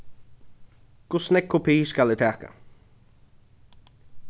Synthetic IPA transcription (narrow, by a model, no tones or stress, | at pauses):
kʰʊsnɛk̚kʰːʊpʰiːskalɪt̪ʰæːka̰